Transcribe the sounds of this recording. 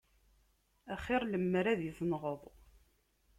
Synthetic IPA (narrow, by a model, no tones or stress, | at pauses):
æχɪɾˤləmːɾæðjəθˤnʁəðˤ